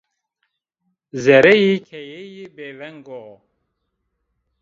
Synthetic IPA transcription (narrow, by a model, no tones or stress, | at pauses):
zɛɾɛjikʰɛjejibevɛŋɡo